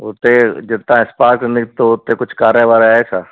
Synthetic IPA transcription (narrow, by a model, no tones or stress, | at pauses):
ʊt̪ed͡ʑɪt̪ãɪ̃spaːkʈnɪɡt̪oʊt̪ekʊd͡ʒʱkaːɾjəʋaːɾaːet͡ʃʰaː